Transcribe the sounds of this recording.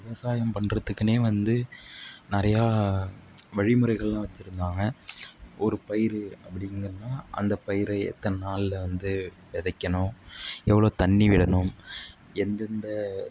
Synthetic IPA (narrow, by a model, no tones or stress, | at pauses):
ʋɪʋɐsaːjɐmpɐɳːrɐt̪ːɯkːɯneːʋɐnd̪ɯnɪɾɐjaː | ʋɐɻɪmɯɾɐɪɣɐɭlãːʋɐt͡ʃːɪɾɯnd̪aːŋɡɐʔɔɾɯpɐjɪɾɯɐpːɐɽɪŋɡɐɾɐnːaːʔɐ̰nd̪ɐpːɐjɪɾɐɪɛ̰t̪ːɐnɐnaːlɪlɐʋɐnd̪ɯʋɛðɐkːɐnʊ̃ːɛʋːɐɭoːt̪ɐɳːiʋɪɽɐnɯm | ɛnd̪ɛnd̪ɐ